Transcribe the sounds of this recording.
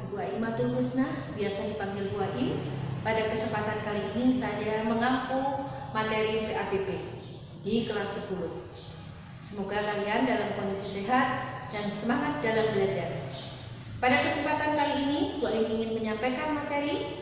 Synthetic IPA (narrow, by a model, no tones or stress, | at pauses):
buaʔimat̪ulmusnahbiasadipaŋɡɪlbuaʔipadakəsəmpat̪ankaliːnisad͡ʒaməŋakumat̪eɾipeʔapepe | dikəlarsəpulʊh | səmoɡakaliandalamkɔndisiseɦat̪̚daŋsəmaŋat̪̚dalambəlad͡ʒar | padakəsəmpat̪ankaliːnibuaimiŋɪnməɲampajkanmat̪eɾi